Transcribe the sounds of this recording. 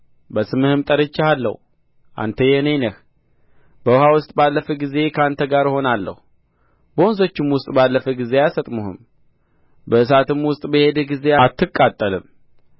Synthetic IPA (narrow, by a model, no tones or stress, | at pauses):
bəsɨmɨhɨmt̪ʼəɾɨt͡ʃːɪhalːə̰h | ʔa̰nt̪ʰəjɛnəjnəh | b̥əhawʊst̪ʼbalːəfəɡize̞kʰəant̪ʰəɡaɾho̞nalːə̰hu | bəonso̞t͡ʃːɪmwʊst̪ʼbalːəfəɡize̞jasət̪ʼmuhɨ̰m | bəɨsat̪ʰɨmwʊst̪ʼbəhe̞d̪ɡize̞at̪ːɨkʼːat̪ʼːəlɨm